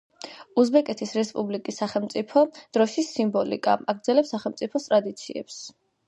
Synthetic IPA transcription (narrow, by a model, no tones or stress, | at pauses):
uzbɛkʼɛt̪ʰisɾɛspʼublikʼisːaχɛlˠmt̪sʼipʰɔd̪̥ɾɔʃisimbɔlḭkʼa̰aɡɾd̪zɛlɛpsaχɛlˠmt̪sʼipʰɔst̪ʼɾad̪it̪sʰiɛ̰ps